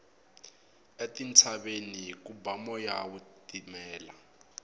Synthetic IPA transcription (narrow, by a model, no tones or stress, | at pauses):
etint͡sʰaɓenik̬ubamɔjawutimɛːla